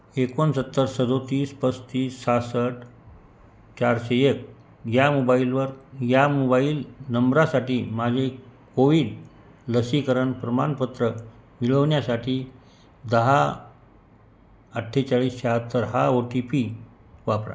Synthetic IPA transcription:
ekonsət̪ːəɾsəd̪ʱot̪iːspəst̪iːsːasəʈ | t͡ɕaɾɕeek̚ | jamobailʋəɾjamobailnəmbɾasaʈiːmad͡ʑʱekoʋiːɖ | ləsikəɾəɳpɾəmanpət̪ɾəmiɭəʋɳjasaʈʰiː | d̪əɦa | əʈʰːet͡ɕaɭiːsɕeɦət̪ːəɾɦaoʈipi | ʋapɾa̰

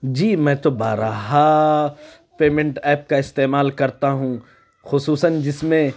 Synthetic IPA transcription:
d͡ʒiːmɛ̃ːt̪obaːɾaɦa | peːmẽɳʈɛːp̚kaɪst̪eːmaːlkɐɾt̪aɦũ | xʊsuːsənd͡ʒɪsmẽ

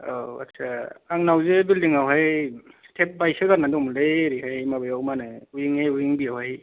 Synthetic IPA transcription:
o̰a̰tsʰaaŋnawzebuldiŋawɦajtʰep̚bajsɯɡaɾnadɔŋmlejɾiɦhajmabajawmanɯujiŋajuiŋbijawhaj

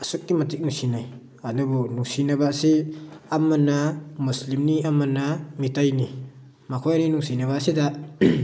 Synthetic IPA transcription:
ɐsuk̚ːimɐtik̚nuŋsinaj | ɐnubunuŋsinɐbasiɐmɐnamuslimniɐmɐnamitajni | makʰojaninuŋsinɐβaɐsida

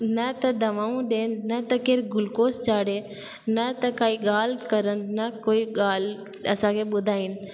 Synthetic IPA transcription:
nɐt̪ɐd̪ɐʋaːũɗeːnːɐt̪ɐkeɾɡʊlkoːst͡ʃaːɽeː | nɐt̪ɐkaːiɡaːlkəɾənːɐkoːiɠaːl | ɐsãːkʰeɓʊd̪ʱaːin

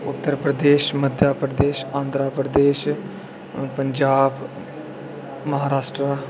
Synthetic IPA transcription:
ʊt̪ːəɾpɾəd̪eːʃməd̪ʱjaːpɾəd̪eːʃãːnd̪ɾaːpɾəd̪eːʃ | pəɲd͡ʒaːb | məɦaːɾaːʃʈɾa

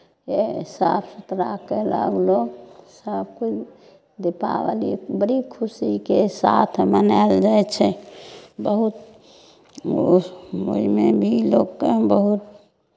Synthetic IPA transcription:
jesəbsut̪ɾakelə̰ɡlosəb̚kut͡ʃʰ | d̪epa̰ʋəlibəɾikʰusikesa̰t̪ʰmənaeld͡ʒajt͡ʃʰɛ | bəɦut̪ | o̰imebʱiloɡkebəɦut̪

